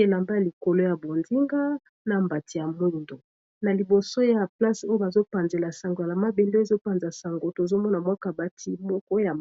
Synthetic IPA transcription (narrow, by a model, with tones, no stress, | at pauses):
e˦la˨mba˦ja˨li˨ko˨lo˦ja˨bo˨nzi˦ŋɡa˦ | na˨mba˨ti˨ja˨mu˦˨ndo˨ | na˨li˨bo˨so˦ja˨pla˦so˦jo˦ba˨zo˦pa˨nze˨la˨sa˨ŋɡo˨ja˨la˨ma˦be˨le˦e˨zo˦pa˨nza˨sa˨ŋɡo˨to˨zo˦mɔ˦na˨mwa˦ka˦˨ba˦tʰi˦mɔ˦kɔ˦ja˨